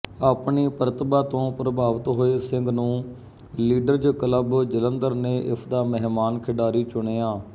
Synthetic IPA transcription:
aːpɳiːpəɾət̪baːt̪õːpɾəbaːʋət̪ɦoːeːsɪŋɡnũː | liːɖəɾd͡ʒkələbd͡ʒələnd̪əɾneːʔɪsʰd̪aːməɦmaːnkʰɪɖaːɾiːt͡ʃʊɳ̃eːaː

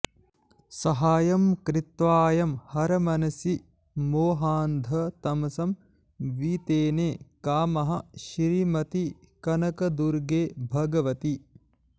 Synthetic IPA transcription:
sɐɦaːjɐmkɾɪt̪ʋaːjɐmhɐɾɐmɐnɐsi | moːɦaːnd̪ʱɐt̪ɐmɐsɐm | ʋiːt̪eːneːkaːmɐɦɐʃɾiːmɐt̪i | kɐnɐkɐd̪uɾɡeːbʱɐɡɐʋɐt̪i

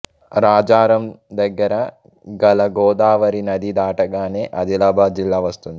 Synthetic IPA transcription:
ɾaːd͡ʒaːɾɐmd̪ɐɡːɐɾɐ | ɡɐlɐɡɔːd̪aːʋɐɾinɐd̪id̪aːʈɐɡaːneːʔɐd̪ilɐbʱaːd͡ʒilːaːʋɐst̪und̪i

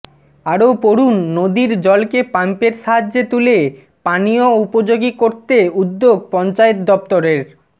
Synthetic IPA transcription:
aɾopoɽunːod̪iɾd͡ʑɔlkepampeɾʃaɦaːet̪ule | panijoupod͡ʑoɡikoɾt̪eud̪ːoɡ̚pɔnt͡ɕaet̪̚d̪ɔp̚t̪oɾeɾ

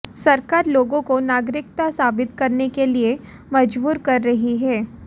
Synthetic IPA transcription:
sɐɾkaːɾloːɡõkonaːɡɾɪkt̪asaːbɪt̪kɐɾnekelie | mɐd͡ʒbuːɾkɐɾːɐɦiɦɛː

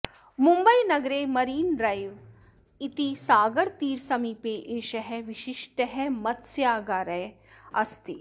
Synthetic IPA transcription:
mumbɐjnɐɡɾeːmɐɾiːnɾɐjʋ | it̪isaːɡɐɾt̪iːɾsɐmiːpeːʔeːʃɐɦɛʋiʃiʃʈɐɦɛmɐt̪sjaːɡaːɾɐ | ɐst̪i

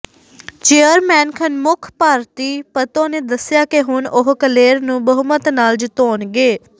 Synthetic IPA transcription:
t͡ʃeːəɾmɛːnkʰənmʊkʰpaːɾt̪iːpət̪õːneːd̪əsɪjaːkeɦʊnʔʊɦkəleːɾnũːbəɦʊmət̪naːld͡ʒɪt̪oːnɡeː

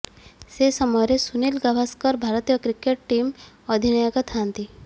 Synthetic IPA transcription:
sesɔmɔjɔɾesunilɡabʱaskɔɾbʱaɾɔt̪ijɔkɾikeʈʈim | ɔd̪ʱinɔjɔkɔt̪ʰant̪i

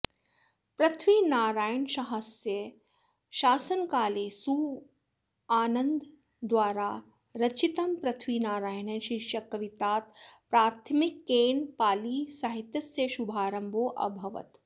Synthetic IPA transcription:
pɾɐt̪ʰʋiːnaːɾaːjənʃɐɦɐsjɐ | ʃaːsɐnkaːleːsuː | aːnɐnd̪ | d̪ʋaːɾaː | ɾɐt͡ʃit̪ɐmpɾɐt̪ʰʋiːnaːɾaːjnɐʃiʃjɐkɐʋit̪aːt̪̚pɾaːt̪ʰmikːeːnpaːliːsɐɦit̪jɐsjɐʃubʱaːɾɐmbʱoːʔɐ̰bʱɐʋɐ̰t̪

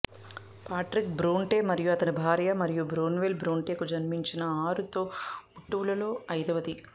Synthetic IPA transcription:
paːʈɾik̚bɾuːɳʈeːmɐɾijuɐt̪ɐnibʱaːɾjɐmɐɾijubɾuːnʋeːlbɾuːɳʈe̞ːkud͡ʒɐnmiɲt͡ʃinɐaːɾut̪o̞ːuʈːuulɐlo̞ːɐjd̪ɐʋɐd̪i

